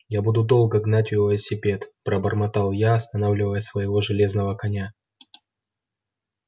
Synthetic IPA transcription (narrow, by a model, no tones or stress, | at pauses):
jabud̪ʊd̪o̞lˠɡəɡnatʲɪləsʲːɪpʲe̞t̪pɾəbərmɐt̪ɑlˠjaɐst̪ɐnavlʲɪvəjəsvəjɪvo̞ʐɨlʲe̞znəvəkɐnʲa